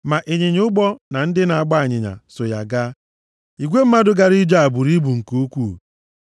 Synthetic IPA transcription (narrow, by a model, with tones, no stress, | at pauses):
ma˨ʔe˨ɲe˨ɲ˦ʊ˦ɡ͡bɔ˦na˨n̩˦dɪ˦na˨a˨ɡ͡ba˦˨ɲɪ˨ɲa̰˨sʊ˨ja˨ɡa˦ | i˨ɡʷe˦m̩˦ma˦dʊ˦ɡa˦ɾi˦d͡ʒa˦a˨bu˨ɾi˦bu˨ŋ̩˨ku˦kʷu˦˨